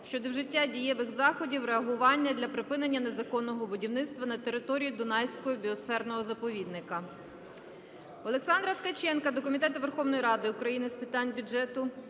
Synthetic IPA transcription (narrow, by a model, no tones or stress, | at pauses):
ʃt͡ʃɔd̪ɔwʒɪtʲːadʲijɛʋɪɣzɑxɔdʲiwɾeɐɦʊʋɑnʲːɐd̪ʲlʲɐpɾɪpɪnenʲːɐne̞zɐkɔnːɔɦɔbʊdʲiwnɪtst̪ʋɐnɐt̪eɾɪt̪ɔɾʲijid̪ɔnɑjsʲkɔjɔbʲiɔsfɛrnɔɦɔzɐpɔʋʲid̪̚nɪkɐ | ɔlˠeksɑnd̪ɾɐt̪kɐt͡ʃɛnkɐd̪ɔkɔmʲit̪ɛt̪ʊʋerxɔwnɔjiɾɑd̪ɪʊkɾɐjinɪspɪt̪ɑnʲbʲʊd͡ʒɛt̪ʊ